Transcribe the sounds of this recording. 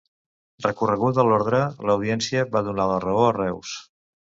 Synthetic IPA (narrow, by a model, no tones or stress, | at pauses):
rrəkurəɣ̞ut̪əlɔɾðɾələwðiɛnsiəβaðunalərəoərɛws